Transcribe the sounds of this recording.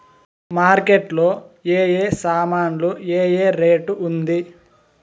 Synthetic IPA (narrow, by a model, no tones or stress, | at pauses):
maːɾkeʈlo̞ːeːjeːsaːmaːnlueːjeːɾe̞ːʈuund̪i